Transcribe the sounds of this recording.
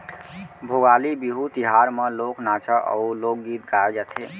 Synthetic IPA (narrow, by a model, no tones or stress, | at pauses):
bʱoɡalibiɦut̪iɦaɾmeloknat͡ʃəʔə̰ulok̚ɡit̪ɡaed͡ʒat̪ʰe